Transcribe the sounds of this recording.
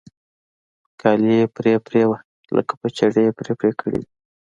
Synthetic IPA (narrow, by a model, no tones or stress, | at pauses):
kɑljepɾepɾewa | lə̰kḁpət͡ʃaɽeepɾepɾekʰəɽḛwi